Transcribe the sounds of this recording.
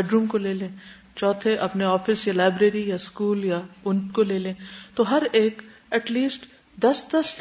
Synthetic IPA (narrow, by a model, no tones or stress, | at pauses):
ɛːɖɾuːmkoleːlẽː | t͡ʃɔːt̪ʰeʔɐpneɔːfɪsjalaːɪbɾeːɾijaskuːljaʊnʈkoleːlẽːt̪oɦɐɾeːk | ɛʈliːsʈ | d̪ɐsd̪ɐs